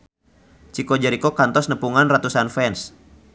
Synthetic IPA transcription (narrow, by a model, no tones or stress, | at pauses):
t͡ʃikɔd͡ʒəɾikɔkant̪ɔsnəpuŋanrat̪usanfɛns